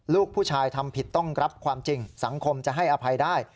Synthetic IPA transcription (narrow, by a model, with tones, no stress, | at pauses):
luː˥˩k̚pʰuː˥˩t͡ɕʰaː˧jt̪ʰa˧mpʰi˨˩t̪ːɔ˥˩ŋɾa˦˥p̚kʰwaː˧mt͡ɕi˧ŋsa˩˦ŋkʰo˧mt͡ɕa˨˩ʔɦa˥˩jʔa˧pʰa˧jdaː˥˩j